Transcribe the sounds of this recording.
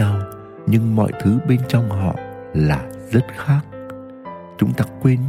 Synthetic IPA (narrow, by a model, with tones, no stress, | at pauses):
a˧w | ɲɨ˧ŋmɔ̰˧˨jt̪ʰɨ˨˦ɓe˧nt͡ɕɔ˧wŋ͡mɦɔ̰˧˨ | laː˨˩zə˦˥t̚xaː˦˥k̚ | t͡ɕʊ˨˦ŋ͡mt̪aː˦kwe˧n